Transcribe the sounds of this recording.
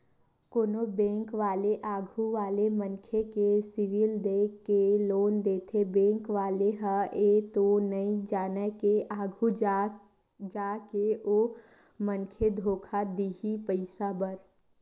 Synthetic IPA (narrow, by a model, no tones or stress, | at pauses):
koːnobɛ̃ːŋkʋaːleʔaːɡʱuʋaːlemənkʰekesɪʋild̪eːkːeloːnd̪eːt̪ʰebẽːŋkʋaːleɦaeːt̪onəĩd͡ʒaːnəkeaːɡʱu | d͡ʒaːkeoː | mə̃nkʰed̪ʱoːkʰad̪iːɦipəɪsabəɾ